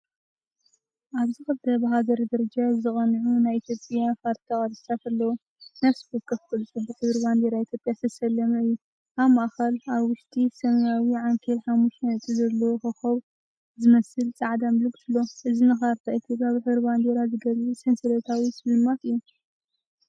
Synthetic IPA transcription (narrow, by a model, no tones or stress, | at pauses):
ʔaβzɨxɨbt̪ʰɐbɐɦazɐɾid̪ɐɾɐd͡ʒazɨkʼɐnʕunajit̪ʰjo̞pʼjafaɾt̪ʰaχʼɐd̪ssat̪ʰalːɐwo | nɐfsbot̪kʰɐfkɐlt͡sʼubɨħɨβɨɾband̪eɾait̪jopʼjasɐsɐlːɐmɐɨjːu | ʔaβmaʔxɐlaβwʊʃt̪ʼisɐmɐjawiʕaŋkʰelħamːuʃnt̪ʼɨzɐlːowxɨxɐβ | zɨmɐsɨlt͡sʼaʕd̪amlɨɡsɨlːoʔɨzinɨxaɾt̪ʰaʔit̪ʰjopʼjabɨħɨβɾband̪eɾazɨɡɐlusensɨɾɐt̪ʰawisɨlɨmːat̪ɨjːu